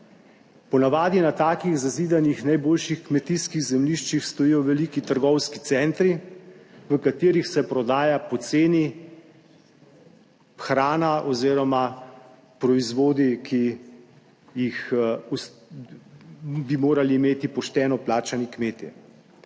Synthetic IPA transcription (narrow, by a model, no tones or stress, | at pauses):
pɔnaʋaːd̪inat̪aːkiɣzaziːd̪anixnajboːlʃixkmɛt̪iskiɣzɛmliʃt͡ʃixst̪ɔjijɔwʋɛlikit̪əɾɡɔwskit̪sɛnt̪ɾi | ʋəkat̪iːɾixsɛpɾɔd̪aːjapɔt̪seːni | xɾaːnaʔɔziːɾɔma | pɾɔizʋoːd̪ikʰi | jixus | bimoːɾaliːmeːt̪ipɔʃt̪ɛːnɔplaːt͡ʃanikmeːt̪ḭ